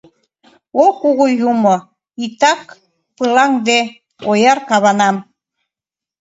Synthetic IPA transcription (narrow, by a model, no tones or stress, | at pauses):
okuɣujumo | it̪ɑk | pɯlɑŋd̪e | ojɑrkɑβɑnɑm